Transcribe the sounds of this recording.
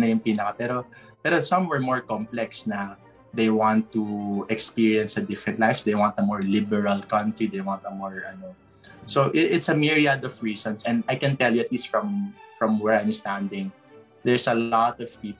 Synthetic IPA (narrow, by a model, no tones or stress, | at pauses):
nɐjʊŋpiːnɐkɐpɛɾopɛːɾosʌ̃mwɛɹmɔɹkɔ̃mplɛksnɐ | d̪ejwãnt̪ːuʔɛkspiɹiɐ̃nsɐd̪ɪfɹɛ̃nt̪lajfsd̪ejwãnt̪ɐmɔɹlɪbɛɹɐlkɐ̃nt̪ɹid̪ejwãnt̪ɐmɔɹɐno | soʔɪʔɪt̪sɐmiɹiad̪ɔvɹiːsɔ̃nsɛ̃nd̪ajkɛ̃nt̪ɛljuɐt̪list̪fɹɐ̃mfɹɔ̃mwɛɹãj̃mst̪ãnd̪ɪ̃ŋ | d̪ɛɹsɐlɔt̪ɔv̥piːp